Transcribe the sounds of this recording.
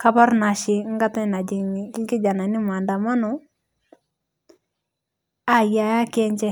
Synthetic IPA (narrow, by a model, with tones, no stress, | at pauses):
ka˦ba˦ɾna˨ʃɪ˨ŋ̩˦ɡa˦ta˦na˨d͡ʒɪ˨ɲi˨ɪ˦ɡɪ˦d͡ʒa˨na˨nɪ˦ma˨nda˨ma˦nɔ˨ | a˦ja˨˦ja˦kɛ˦ɲt͡ʃɛ˦